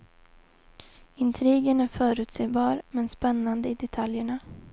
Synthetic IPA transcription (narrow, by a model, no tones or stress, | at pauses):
ɪnt̪ʰɾiːɡənæɾfœːɾʉ̟ːt̪seːbɑːɾmɛnspɛnːand̪əɪd̪ɛt̪ʰaljəɳa